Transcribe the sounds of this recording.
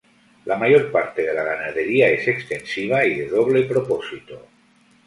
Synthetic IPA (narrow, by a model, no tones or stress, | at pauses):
lʔamajoɾpaɾt̪eðelaɣ̞anað̞eɾiaesekst̪ensiβ̞aiðeðoβlepɾoposit̪o